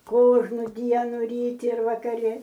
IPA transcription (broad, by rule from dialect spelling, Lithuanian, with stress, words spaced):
ˈkoːʒnʊ ˈdʲiɛnʊ ˈrʲiːtʲɪ ɪr ʋɐkɐˈrʲɪ